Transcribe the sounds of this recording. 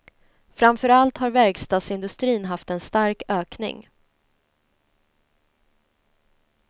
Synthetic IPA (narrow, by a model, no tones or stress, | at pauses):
fɾamfœɾalt̪haɾvæɾɡst̪ɑːd̪sɪnd̪ɵst̪ɾiːnɦaft̪ɛnst̪aɾkøːknɪ̰ŋ